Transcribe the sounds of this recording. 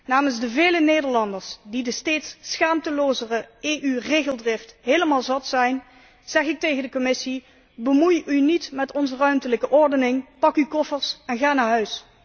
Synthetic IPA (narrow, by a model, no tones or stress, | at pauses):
naːmənzdəveːləneːdəɹlɑndəɹsdidəsteːtsːxaːmtəloːzərəeːʔyreːɣəlˠdrɪftɦeːləmaːlˠzɑtsɛjn | z̥ɛχɪk̚tejɣəndəkɔmɪsi | bəmujynitmɛtɔnzərœɥmtələkəʔɔɹdənɪŋpɑkykɔfəɹsɛnɣaːnaːɹɦœɥs